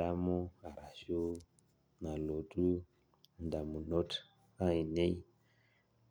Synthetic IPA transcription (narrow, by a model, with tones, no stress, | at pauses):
a˦mu˦a˨ɾa˨ʃu˦ | na˨lo˨tu˦ | nda˨mu˨no˦t | a˦i˨ne˦i˦